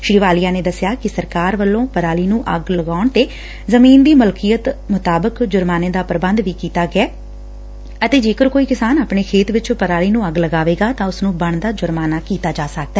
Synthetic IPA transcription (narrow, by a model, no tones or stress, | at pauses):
ʃɾiːʋaːlijaːneːd̪əsːɪjaːkɪsəɾkaːɾʋəlːõːpəɾaːliːnũːʔəɡləɡaːʊɳt̪eː | zəmiːnd̪iːməlkijət̪mʊt̪aːbəkd͡ʒʊɾmaːnẽːd̪aːpəɾəbə̃nd̪ʋiːkiːt̪aːɡɪɛː | ət̪eːd͡ʒeːkəɾkoːiːkɪsaːnaːpɳeːkʰeːt̪ʋɪt͡ʃpəɾaːliːnũːəɡləɡaːʋeːɡaːt̪ãːʊsnũːbəɳd̪aːd͡ʒʊɾmaːnaːkiːt̪aːd͡ʒaːsək̚d̪ɛː